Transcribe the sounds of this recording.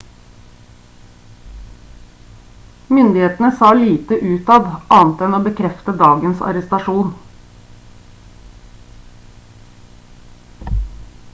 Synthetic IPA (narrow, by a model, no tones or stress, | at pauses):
mʏnd̪ɪheːt̪n̩əsɑːliːt̪əʔʉːt̪ɑːʋʔɑːnt̪ɛnoːbəkʰɾɛft̪əd̪ɑːɡənsɑ̰ɾəst̪ɑʃuːn